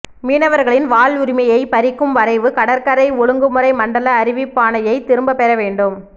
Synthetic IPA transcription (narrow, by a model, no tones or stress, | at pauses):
miːnɐʋɐɾɣɐɭɪnʋaːɭʊɾɪmɐjɐɪpɐɾɪkːɯmʋɐɾɐɪʋɯkɐɽɐɾkɐɾɐɪɔɻɯŋɡɯmɯrɐɪmɐɳɖɐlɐːɾɪʋɪpːaːnɐjɐɪt̪ɪɾɯmbɐpɛɾɐʋeːɳɖɯm